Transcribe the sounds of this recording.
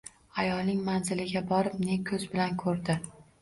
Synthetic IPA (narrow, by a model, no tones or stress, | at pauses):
ajɒlnɪŋmanzɪlɪɡʲabɒɾɪp̚ne̞kʲʰɵzbɪlankʰɵɾd̪ɪ